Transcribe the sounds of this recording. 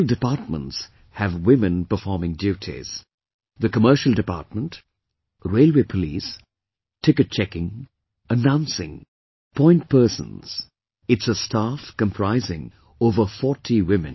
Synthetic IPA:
ldɨpaːˑt̚mə̰̃nts | hɨvwɪmɨ̃npə˞fɔɹmɪ̃ŋdjʉːtʰḭz̥ | ðɨkəmɜ˞ʃəl̩ˠdɨpa̰ːˑt̚mə̃nt | ɹeɪlˠweɪpʰəlis | tʰɪkɨt̚t͡ʃʰɛkɪ̃ŋ | ənãʊ̃nsɪ̰̃ŋ | pʰɔ̃ɪ̃nt̚pʰɜ˞sə̰̃nz̥ | ɨtsəstafkə̃mpʰɹ̥aɪzɪ̃ŋ | oːvə˞fɔtʰiwɪ̃mɨ̰̃n

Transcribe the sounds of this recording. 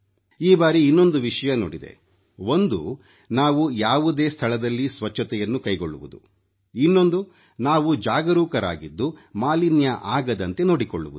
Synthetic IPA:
iːbaːɾiinːo̞nd̪uʋiʂɐjɐno̰ːɽid̪ḛ | o̞nd̪ṵ | naːʋujaːʋud̪e̞ːst̪ʰɐɭɐd̪ɐlːisʋɐt͡ʃʰːɐt̪ɛjɐnːukɐjɡo̞ɭːuʋud̪ṵ | inːo̞nd̪u | naːʋud͡ʒaːɡɐɾuːkɐɾa̰ːɡid̪ːumaːlinjɐʔaːɡɐd̪ɐnt̪e̞noːɽikoɭːuʋu

